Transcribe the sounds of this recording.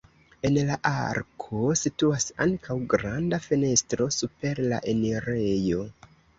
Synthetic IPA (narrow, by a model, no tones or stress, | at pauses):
e̞nlaʔaɾkʰo̞situasaŋkʰawɡɾandafene̞stɾo̞supe̞ɾla̰ʔe̞neɾejo̞